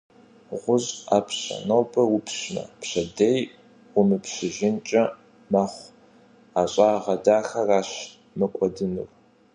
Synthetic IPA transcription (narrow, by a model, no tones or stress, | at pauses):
ʁʷʊzaːpʰɕɐ̰nɐwpʰɐwʊpʰɕnɐ̰pɕɐdejʷ | ʊmɨpɕɪʒɪnt͡ʃʼɐ | maχʷ | aːɕʼaːʁɐdaːxɐraːɕ | mɐkʷʼɔdɨnɨ̰r